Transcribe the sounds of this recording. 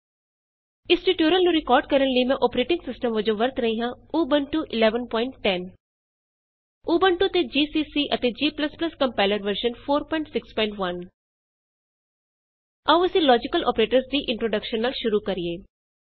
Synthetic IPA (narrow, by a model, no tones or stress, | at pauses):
ɪsʈiʈjoːɾəlnũɾɪkɔːɾɖkəɾənləimɛ̃ːʔɔːpɾeːʈɪ̃ŋɡsɪsʈəmʋəd͡ʒõʋəɾt̪ɾəɦiɦãːuːbənʈuːʔɪlɛːʋənpɔːɪɳʈːɛn | uːbənʈut̪ed͡ʒiːsiːsiːʔət̪eːd͡ʒiːpləspləskə̃mpɛːləɾʋəɾʃənpʰoːɾpɔ̃ɪ̃ɳʈsɪkspɔ̃ɪ̃ɳʈʋən | ɐʋɐsĩːlɔːd͡ʒɪkəlʔɔ̰ːpɾeːʈəɾsd̪iːʔɪ̃ɳʈɾoːɖəkʃənːaːlʃʊɾuːkəɾieː